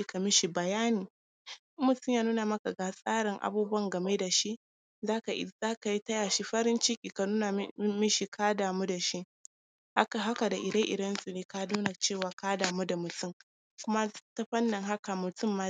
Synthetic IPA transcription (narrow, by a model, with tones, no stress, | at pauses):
i˦ka˨mɪ˦ʃi˨bɐ˨jaː˦niː˨˦ | mʊ˨tʊ˦ɲjaː˦nuː˦na˨mɐ˦ka˨ɡa˨sʼaː˦ɾɪ˨ŋʔa̰˨buː˦bɐ˦ŋɡɐ˨me˦da˨ʃi˦ʔ | zaː˦ka˨ʔɪ̰˦zaː˦ka˨ji˦tɐ˦jaː˨ʃi˦ɸɐ˦ɾɪ˦nt͡ʃɪ˦kʲʼiː˨ka˨nuː˦na˨˦mɪ˦ʃi˨kʰaː˦daː˨mu˦da˨ʃi˦ʔ | ɦa˦ka˨da˨ʔɪ˨dɐ˦ŋʔɪ˨dɐ˦nsʼʊ˨neː˦ka˦nuː˦na˨t͡ʃeː˦˨waː˨kaː˦daː˨mu˦da˨mʊ˨tʊ˦ŋ | kʷʊ˦ma˦ta˦ɸɐ˦nːɪ˨ŋɦa˦ka˨mʊ˨tʊ˦mːa˦